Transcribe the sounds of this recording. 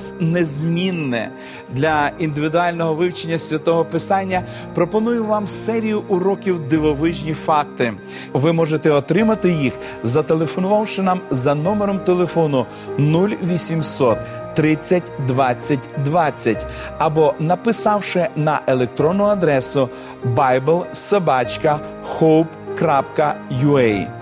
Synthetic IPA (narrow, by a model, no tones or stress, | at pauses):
snezʲmʲinːɛ̰ | d̪lʲɐind̪ɪʋʲid̪ʊɑlʲnɔɦɔʋɪwt͡ʃenʲːɐsʲʋʲɐt̪ɔɦɔpɪsɑnʲːɐ | pɾɔpɔnujʊʋɑmsɛɾʲijʊʔʊɾɔkʲiwd̪ɪʋɔʋɪʒnʲifɑk̚t̪ɪ | ʋɪmɔʒet̪ɛɔt̪ɾɪmɐt̪ɪjix | zɐt̪e̞lˠefɔnʊʋɑwʃɪnɑmzɐnɔmeɾɔmt̪elˠefɔnʊ | nulʲʋʲisʲimsɔt̪ː | ɾɪt͡sʲːɐtʲd̪ʋɑt͡sʲːɐtʲd̪ʋɑt͡sʲːɐtʲ | ɐbɔnɐpɪsɑwʃɪnɐʔelˠek̚t̪ɾɔnːʊɐd̪ɾɛsʊ | bɑjbɛlˠsebɑt͡ʃkɐ | xɔwpkɾapkɐjʊɛj